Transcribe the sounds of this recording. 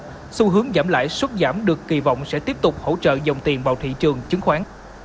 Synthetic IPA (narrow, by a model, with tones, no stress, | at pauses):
su˧ɦɨ˨˦əŋzaː˧˩mla̰ː˧˨jswə˦˥t̚zaː˧˩mɗɨ˨˩əkːi˨˩vɔ̰˧˨wŋ͡msɛ̰˧˥t̪i˦˥əp̚t̪ʊ˨˩k͡p̚ho̰˧˥t͡ɕə̰ː˧˨zə˨˩wŋ͡mt̪i˨˩ənɓa̰ː˨˩wt̪ʰḭ˧˨t͡ɕɨ˨˩əŋt͡ɕɨ˨˦ŋxwaː˨˦n